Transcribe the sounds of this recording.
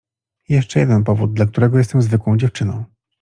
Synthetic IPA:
jɛʂt͡ʂɛjɛd̪ɛnpɔvud̪̚d̪lak̚t̪uɾɛɡɔjɛst̪ɛmzvɘkwɔ̃w̃d͡ʑɛft͡ʂɘnɔ̰̃w̃

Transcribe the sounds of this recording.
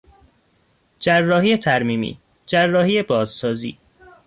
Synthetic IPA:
d͡ʒærːɒːhiːjet̪ʰæɾmiːmḭː | d͡ʒærːɒːhiːjebɒːzsɒːzḭː

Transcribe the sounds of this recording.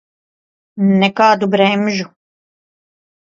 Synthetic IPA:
nɛkaːd̪ubɾɛːmʒu

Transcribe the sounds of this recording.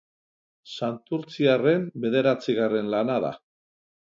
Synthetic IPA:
sant̪uɾt͡siare̞mbe̞ð̞e̞ɾat͡siɣare̞nlanaða̰

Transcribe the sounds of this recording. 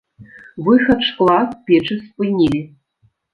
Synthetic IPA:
vɨxɐtʂkʼlˠaspʲeʈ͡ʂʰɨspʼɨnʲili

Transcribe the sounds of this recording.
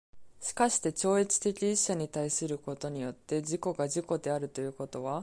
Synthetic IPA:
ɕi̥kaɕi̥t̪e̞t͡ɕo̞ːet͡sɨ̥t̪e̞kʲiiɕːaɲ̟it̪aisɨɾɯ̟ko̞t̪o̞ɲ̟ijo̞t̪ːe̞d͡ʑiko̞ɡaʑiko̞d̪e̞aɾɯ̟t̪o̞jɯ̟ːko̞t̪o̞β̞a

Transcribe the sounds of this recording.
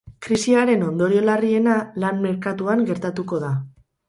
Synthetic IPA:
kɾisiaɾe̞no̞nd̪o̞ɾio̞larie̞nalanme̞ɾkat̪uaŋɡe̞ɾt̪at̪uko̞ð̞a

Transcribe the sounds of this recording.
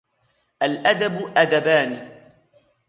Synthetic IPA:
ʔalʔad̪abʔad̪abaːnɪ

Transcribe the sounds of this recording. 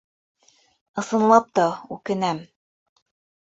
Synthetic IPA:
ɤ̆sɤ̆nlˠɑp̚t̪ɑʉkɘ̆næm

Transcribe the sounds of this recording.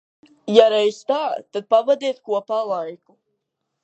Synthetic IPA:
jaɾɛjst̪aːt̪ːad̪̚pavad̪iɛt̪̚kuɔpalˠajku

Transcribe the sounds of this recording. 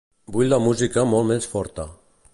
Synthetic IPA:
buʎʲlamuzikamɔlmɛnsfɔɾt̪a

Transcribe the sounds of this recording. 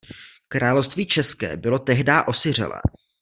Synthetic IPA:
kɾaːlofst̪viːt͡ʃɛskɛ̰ːbɪlo̞t̪ɛɦdaːʔo̞sɪr̝ɛ̰lɛ̰ː

